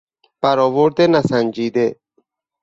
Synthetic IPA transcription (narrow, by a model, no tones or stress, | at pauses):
b̥æɾɔːʋoɾd̪enæsænʲd͡ʒiːd̪e